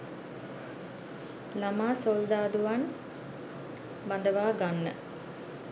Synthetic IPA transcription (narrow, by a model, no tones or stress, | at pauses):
lamaːsold̪aːd̪uʋan | band̪əʋaːɡanːə̰